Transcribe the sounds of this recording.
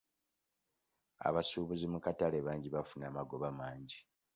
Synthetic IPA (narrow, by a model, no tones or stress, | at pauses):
a̰βasuːβuzimukataleβaːɲɟiβafunamaɡo̞βamaːɲɟi